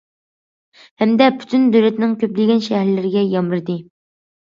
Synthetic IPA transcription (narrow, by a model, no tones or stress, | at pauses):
hɛmd̪ɛpʰy̥t̪ʰynd̪øwlɛt̪nɪŋkʲʰøp̚d̪ɪlɡʲɛnʃɛhɾlɪɾɪɡʲɛjɑmɾɨd̪ɨ